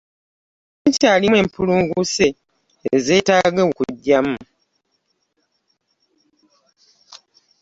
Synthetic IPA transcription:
eɲcaːlimwe̞ːmpʰuluːŋɡuseː | ze̞ːtaːɡekukṵɟːamu

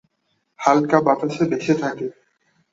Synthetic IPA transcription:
halkabat̪aʃebeʃet̪ʰake

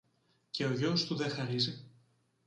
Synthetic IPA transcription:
ce̞o̞ʝost̪uðexɐɾizi

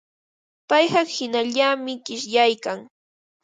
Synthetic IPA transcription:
pɑjhɑχhɪnaʎamɪkɪʃjajkaŋ

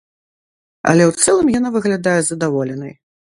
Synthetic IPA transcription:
ɐ̰lʲɛwt̪sɛlˠɨmjanavɨɣlʲad̪ajɛzɐd̪avɔlʲɛnɐj

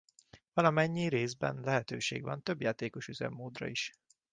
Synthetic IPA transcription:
vɒlɒmɛɲːiɾeːzbɛ̰nlɛɦɛt̪ø̰ːʃḛːɡʋɒnt̪ø̞bjaːt̪eːko̞ʃyzɛ̰mːoːd̪rɒ̰iʃ

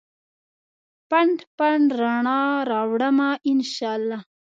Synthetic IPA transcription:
paɳɖpaɳɾaɳɑɾɑwɽəmaʔɪnʃɑlːɑ

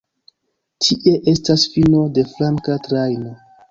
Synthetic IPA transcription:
tʰiʔe̞ʔe̞stasfino̞de̞flaŋkatɾajno̞

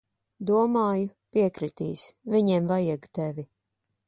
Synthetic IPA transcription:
d̪uɔmaːjupiɛkɾit̪iːsvʲiɲɛːmvajɛɡt̪ɛvʲi

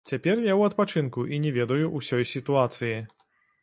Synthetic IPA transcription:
t͡sʲapʲɛrjawɐt̪̚pat͡ʂɨnkuʔinʲɛvʲɛd̪ɐjuʔusʲɔjsʲit̪uat̪sɨji

